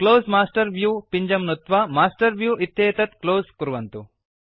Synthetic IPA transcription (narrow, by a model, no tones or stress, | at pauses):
kloːsmaːsʈɐɾʋjuːpiɲd͡ʒɐmnut̪ʋamaːsʈɐɾʋjuːit̪jɐːt̪ɐt̪kloːskuɾuʋɐnt̪u